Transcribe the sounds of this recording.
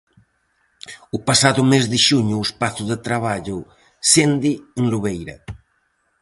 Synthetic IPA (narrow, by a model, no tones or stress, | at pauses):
upasaðumezðiʃuɲuespaθuðet̪ɾaβ̞aʎu | send̪ieŋluβejɾɐ̰